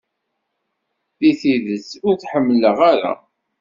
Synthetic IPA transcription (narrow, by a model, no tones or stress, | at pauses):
θiθiðət͡sːʊɾθħəmːləʁaɾa̰